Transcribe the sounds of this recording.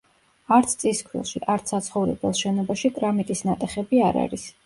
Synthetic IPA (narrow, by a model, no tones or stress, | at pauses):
aɾt̪sʰt̪sʼiskʰɾḭlˠʃḭʔaɾt̪sat̪sʰχɔvɾɛ̰bɛlˠʃɛnɔbaʃikʼɾamikʼisnat̪ʼɛχɛbiaɾa̰ɾis